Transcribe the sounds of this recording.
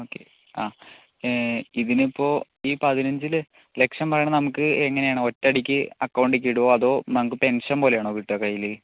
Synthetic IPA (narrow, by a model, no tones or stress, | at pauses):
oːkːḛ | aː | iðinipːo̞ː | iːpɐðinɐɲd͡ʑil | le̞kʂɐnmpɐrɐjɳɐnɐmukːɨeŋːɐnejaːɳɨo̞tːɐɽikʲːɨɐkːɐwɳɖik̬ʲːiɽuʋoɐðo̞ːnɐmuk̬ːɨpe̞nʂɐnpo̞ːle̞jaːɳoːʋiʈːɐkɐjːilːe